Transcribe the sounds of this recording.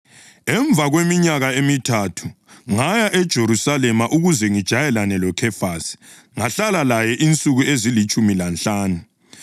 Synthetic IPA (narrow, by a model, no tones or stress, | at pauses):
ɛɱb̪vʱaɣwemiɲaɣaemitʰatʰu | ŋajaʔɛd̥ʒ̥ʱeɾusalɛmaʔuɣuzɛŋid̥ʒ̥ʱajɛlanɛlɔkʰɛfasi̥ | ŋaɬalalajɛʔint͡sʼuɣuezilit͡ʃʼumilant͡ɬʼaːnu